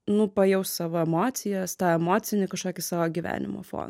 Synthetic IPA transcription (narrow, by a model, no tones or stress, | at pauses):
nʊpɐjɛʊssɑːʋoːɛmoːt̪t͡s̪ʲɪjɛst̪ɑːɛmoːt͡ssʲɪnʲɪkɐʃkoːkʲɪsɑːʋoːɡʲiːʋʲæ̰ːnʲɪ̰mo̰fo̰ːn